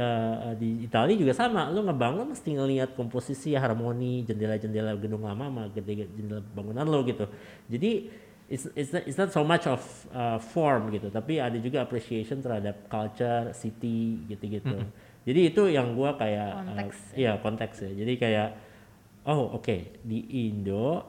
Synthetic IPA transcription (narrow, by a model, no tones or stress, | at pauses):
əədiːt̪alid͡ʒuɡasamaloŋabaŋʊnməst̪iŋəliat̪̚kɔmposisiaɦarmonid͡ʒəndelad͡ʒəndelaɡədʊŋlamamaɡədeɡd͡ʒəndelabaŋunanloɡit̪u | d͡ʒadi | ɪsɪsɪtsnɔt̪somat͡ʃɔfəfɔrmɡit̪ut̪apiadad͡ʒuɡaːpɾesieʃɔnt̪ərhadap̚kalt͡ʃərsit̪iɡit̪uɡit̪u | d͡ʒadiːt̪ujaŋɡuakajaʔəjakɔnt̪ɛksjad͡ʒadikajaʔ | ʔoo̰kediʔindo